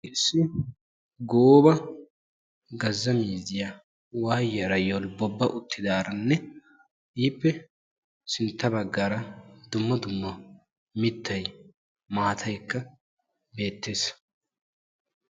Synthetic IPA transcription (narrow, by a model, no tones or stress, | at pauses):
ʔɪsːɪ | ɡoːbɐ | ɡɐzːɐmiːzɪjɐ | waːjɐɾɐjɔlbɔbːɐʔʊt̪ʰːɪd̪aːɾɐnːɛ | ʔiːpːɛ | sɪnt̪ːɐbɐɡːaɾɐd̪ʊmːɐd̪ʊmːɔ | mɪt̪ʰːɐj | maːt̪ʰɐjkːɐ | be̞ːt̪ːe̞ːs